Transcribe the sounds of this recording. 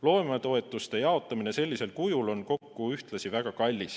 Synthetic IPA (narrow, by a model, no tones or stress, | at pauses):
lo̞ːemɑt̪o̞e̞t̪ːˑust̪e̞jɑo̞t̪ːˑɑmine̞se̞lʲːise̞lkujulo̞nko̞kːuyht̪lɑsivæɡ̥ɑkɑlʲːis